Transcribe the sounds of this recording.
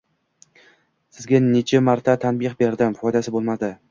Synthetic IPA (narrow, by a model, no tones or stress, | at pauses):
sɪzɡʲanet͡ʃʰɪmaɾt̪ʰat̪ʰanbɪχbeɾd̪ɪmfɒjd̪asɪbolˠmad̪ɪ